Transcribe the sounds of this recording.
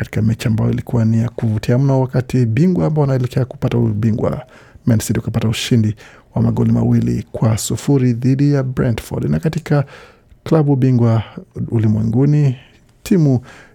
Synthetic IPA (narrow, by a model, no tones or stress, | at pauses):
kati̥kamɛt͡ʃiambajɔ̰ilikuwanijakuvutʰiam̩nawakatiɓiŋɡwaːmbaɔwanaɛlɛkɛaku̥patauɓiŋɡwa̰ | mɛnsitiukapatauʃindi | wamaɠɔlima̰wilḭkwasufuɾiðiɗijabɾɛndfɔ̰dnakatika | klaɓuɓiŋɡwaulimwɛŋɡuni | tʰimu